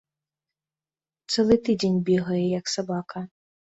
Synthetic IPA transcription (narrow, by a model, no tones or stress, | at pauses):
t̪sɛlˠɨt̪ɨdʲenʲbʲiɣɐjɛjɐksabakʰɐ